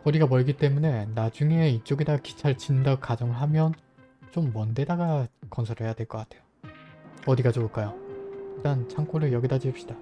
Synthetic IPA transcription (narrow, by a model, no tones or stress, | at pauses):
ʌɾiɡamʌɭɡit͈e̞mune̞nad͡ʑuŋe̞it͡ɕ͈oɡidaɡki̥t͡ɕʰaɭt͡ɕinɯndaɡokad͡ʑʌŋɯɭɦamjʌn | t͡ɕ͈omːʌnde̞daɡakʌnsʰʌɾɯɭɦhe̞jadwe̞ɭk͈ʌk͈atʰe̞jo | ʌdiɡad͡ʑoɯɭk͈ajoit͈ant͡ɕʰaŋk͈oɾɯjʌɡidad͡ʑiɯp̚ɕ͈id̥a